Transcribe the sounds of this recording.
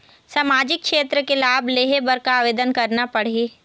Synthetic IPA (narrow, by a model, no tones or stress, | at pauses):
saːmaːd͡ʒɪk̚ʃeːt̪ɾəkelaːbʱleːɦebɐɾkaaːʋeːd̪ənkɐɾnapɐɽ̤eː